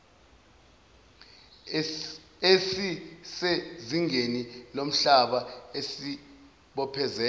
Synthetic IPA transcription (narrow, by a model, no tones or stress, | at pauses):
esiseziŋenilom̩ɬaɓaesi | ɓɔpʰɛzɛː